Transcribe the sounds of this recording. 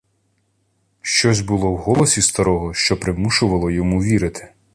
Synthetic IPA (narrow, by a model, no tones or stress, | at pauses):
ʃt͡ʃɔzʲbʊlˠɔwɦɔlˠɔsʲist̪ɐɾɔɦɔʃt͡ʃɔpɾɪwmuʃʊʋɐlˠɔjɔmuʋʲiɾɪt̪ʰɪ̥